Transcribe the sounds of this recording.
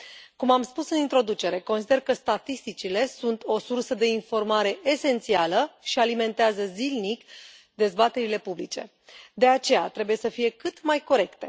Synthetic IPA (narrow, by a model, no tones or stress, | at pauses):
kumamspusɨnint̪ɾo̞d̪ut͡ʃe̞ɾe̞ko̞nsid̪e̞rkəst̪at̪ist̪it͡ʃile̞sunt̪ʰo̞sursəd̪e̞info̞rmaɾe̞ʔese̞nt̪sialəʃialime̞nt̪eazəzilnik | d̪e̞zbat̪e̞ɾile̞publit͡ʃe̞ | d̪e̞at͡ʃe̞jat̪ɾebuje̞səfije̞kɨt̪majko̞ɾe̞kt̪e̞